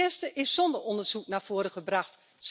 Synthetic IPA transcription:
ɪstəʔɪsɔndərɔndərz̥uknaːv̥oːəɾəχəbraχt | s

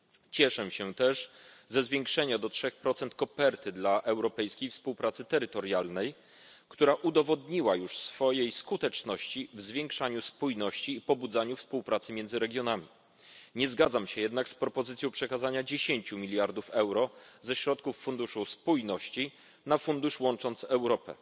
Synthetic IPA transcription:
t͡ɕɛʂɛɕɛt̪ɛʂzɛzvʲjeŋkʂɛɲad̪ɔtʂɛxpɾɔt̪sɛnt̪̚kɔpɛɾt̪ɘd̪laʔɛwɾɔpɛjskʲejfspuwpɾat̪sɘt̪ɛɾɘt̪ɔɾjalnɛj | kt̪uɾaʔud̪ɔvɔd̪ɲiwajuʂsfɔjejskut̪ɛt͡ʂnɔɕt͡ɕivzvʲjɛŋkʂaɲuspujnɔɕt͡ɕiːpɔbud̪zaɲufspuwpɾat̪sɘmʲjɛnd̪zɘɾɛɡʲjɔnamʲi | ɲɛzɡad̪zamɕɛjɛd̪nakspɾɔpɔzɘt̪sʲjɔ̃w̃pʂɛkazaɲad͡ʑeɕeɲt͡ɕumʲilʲjaɾd̪ufɛwɾɔzɛɕɾɔt̪̚kufːund̪uʂuspujnɔɕt͡ɕi | nafund̪uʂwɔnt͡ʂɔnt̪sɛwɾɔpɛ̰

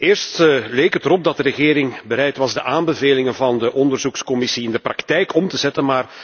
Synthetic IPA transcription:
ɪːrstleːkətəɾɔb̚dɑt̚dəɾəɣeːɾɪŋbəɾɛjtʋɑzdəʔaːmbəveːlɪŋənvɑndəʔɔndərzukskɔmɪsiɪndəprɑktɛjkɔmtəzɛtənmaːr

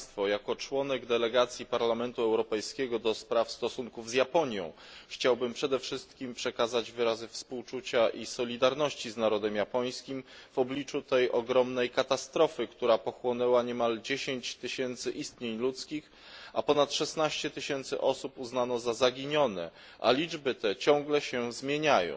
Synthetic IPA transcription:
t̪fɔjakɔt͡ʂwɔnɛɡd̪ɛlɛɡat̪sʲjipaɾlamɛnt̪uɛwɾɔpɛjskʲɛɡɔd̪ɔspɾafst̪ɔsuŋkuvzjapɔɲjɔ̰̃w̃ | xt͡ɕawbɘmpʂɛd̪ɛfʂɘst̪kʲimpʂɛkazad͡ʑvɘɾazɘfspuwt͡ʂut͡ɕaʔisɔlʲid̪aɾnɔɕt͡ɕiznaɾɔd̪ɛmjapɔj̃skʲimv̥ɔblʲit͡ʂut̪ɛjʔɔɡɾɔmnɛjkat̪ast̪ɾɔfɘkt̪uɾapɔxwɔnɛwaɲɛmald͡ʑeɕeɲt͡ɕt̪ɘɕɛnt̪sɘʔist̪ɲeɲlut̪skʲix | a̰pɔnat̪ʂɛsnaɕt͡ɕɛt̪ɘɕɛnt̪sɘ̰ʔɔsupuznanɔzazaɡʲiɲɔnɛ̰ | ʔa̰lʲid͡ʐbɘt̪ɛt͡ɕɔ̃ŋ̃ɡlɛɕɛzmʲjeɲajɔ̰̃w̃

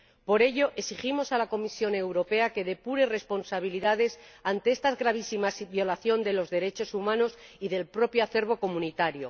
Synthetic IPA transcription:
po̞ɾe̞ʝo̞ʔesiximo̞salako̞misjo̞ne̞wɾo̞pe̞ake̞ðe̞puɾe̞respo̞nsaβ̞iliðaðe̞sant̪eest̪azɣɾaβ̞isimasbjo̞laθjond̪e̞lo̞zðe̞ɾe̞t͡ʃo̞sumãno̞siðe̞lpɾo̞pjoaθe̞ɾβ̞o̞ko̞mũnit̪aɾjo̞̰

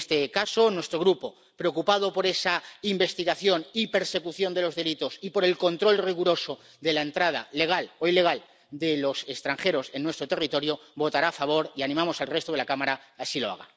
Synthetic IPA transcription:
st̪ekaso̞nwe̞st̪ɾo̞ɣɾupo̞ | pɾe̞o̞kupað̞o̞po̞ɾe̞saimbe̞st̪iɣaθjo̞nipe̞ɾse̞kuθjo̞nd̪e̞lo̞zðe̞lit̪o̞sipo̞ɾe̞lko̞nt̪ɾo̞lriɣ̞uɾo̞so̞ | ðe̞lae̞nt̪ɾað̞a̰lːe̞ɣ̞aloile̞ɣal | d̪e̞lo̞se̞st̪ɾaŋxe̞ɾo̞se̞nːwe̞st̪ɾot̪e̞rit̪o̞ɾjo̞βo̞t̪aɾaːfaβ̞o̞ɾianĩmamo̞salre̞st̪oð̞e̞lakamaɾaːsilo̞a̰ɣ̞a̰

